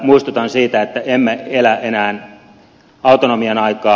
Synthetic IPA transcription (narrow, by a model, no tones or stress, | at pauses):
muist̪ut̪ɑnsiːt̪æet̪ːæʔemːeelæenæːn | ɑut̪onomienɑikɑː